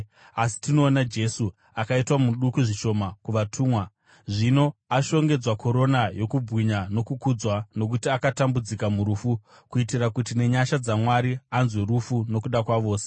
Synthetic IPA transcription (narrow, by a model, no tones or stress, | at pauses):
asi̥tino̞ːnad͡ʒe̞su | akaitwamuɗukuʐiʃo̞makuʋatʰuːmwa | ʐino̞aʃo̞ŋɡe̞d͡zwakʰo̞ɾo̞najo̞kubwiɲano̞kukud͡zwano̞k̬utiakatambud͡zikamuɾuːfu | kuitirakutine̞ɲaʃad͡zamwaɾianzwe̞ɾufuno̞kuɗakwaʋo̞ːse̥